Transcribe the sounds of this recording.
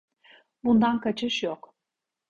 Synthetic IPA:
bund̪ankat͡ʃʰɯʃjok

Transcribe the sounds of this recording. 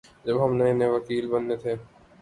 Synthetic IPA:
d͡ʒɐbɦɐmnɐeneʋɐkiːlbɐnːet̪ʰeː

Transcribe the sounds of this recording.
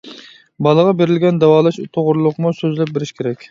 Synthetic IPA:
bɑlˠəʁɑbeɾɪlɡʲɛnd̪ɛwɑːlˠɨʃut̪ʰoʁʊɾlˠʊqmusøzlɛp̚beɾɪʃkʲʰeɾɛkʲ

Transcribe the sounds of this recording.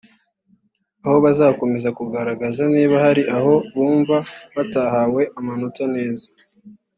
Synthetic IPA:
aho̞βazaːko̞me̞zakuɡaɾaɡazaniːβahaɾiʔaho̞βuːɱvaβatahaːwe̞ʔamanotane̞ːza

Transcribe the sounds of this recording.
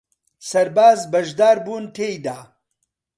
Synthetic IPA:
sɐɾbaːzbɐʒd̪aːɾbuːnt̪ʰeːjd̪aː

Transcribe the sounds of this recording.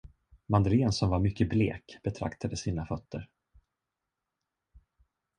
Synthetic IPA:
mand̪əleːnsɔmvaɾmʏkːəblḛːkb̥ɛt̪ʰɾa̰kt̪ʰad̪əsiːnafœt̪ʰːəɾ

